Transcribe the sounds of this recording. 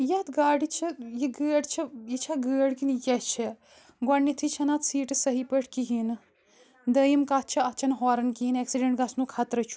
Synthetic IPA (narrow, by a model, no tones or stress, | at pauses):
jɐt̪ɡaːɽit͡ʃʰijiɡəːɽt͡ʃʰɐjit͡ʃʰɐɡəːɽkinjɐt͡ʃʰɐ | ɡɔɳːit̪ʰit͡ʃʰɐnat̪siːʈɨsɐɦipəʈʰkiɦin | d̪ɐjimkat͡ʃʰɐɐt̪t͡ʃʰɐnɦɔːɾɐnkiɦineksiɖeɳʈɡɐsnukʰat̪ɾɐt͡ʃʰu̥